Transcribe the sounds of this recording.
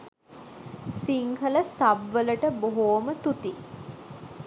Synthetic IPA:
siŋɦələsabʋələʈəboɦoːmət̪ut̪i

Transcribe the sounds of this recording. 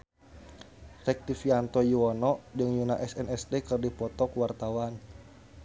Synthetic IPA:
rɛk̚t̪ifiant̪ɔjuɔnɔd͡ʒɨŋjunaʔɛsɛnɛst̪ɛkɨrdipɔt̪ɔkwart̪awan

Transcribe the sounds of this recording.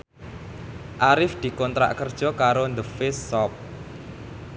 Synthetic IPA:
ʔaɾɪfd̪̥i̤kɔnt̪ɾa̰ʔkərd̥ʒ̥ɔ̤kaɾond̪əfɪsːɔp̚

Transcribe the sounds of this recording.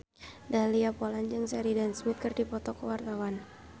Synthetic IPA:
dahliapoland͡ʒɨŋsaɾidansmɪt̪̚kərdipɔt̪ɔkəwart̪awan

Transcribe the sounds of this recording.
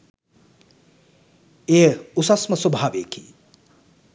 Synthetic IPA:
eːusɐsmɐsubʱaːʋḛːkiː

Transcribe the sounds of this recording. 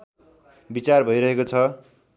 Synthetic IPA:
bit͡sarbʱʌjɾʌɦekot͡sʰʌ

